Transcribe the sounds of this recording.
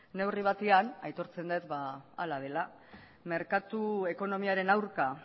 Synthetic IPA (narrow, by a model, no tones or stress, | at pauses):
ne̞wriβ̞at̪eanajt̪o̞ɾt͡se̞nd̪et̪ba̰ːlaðe̞la | me̞ɾkat̪ue̞ko̞no̞miaɾe̞nawɾka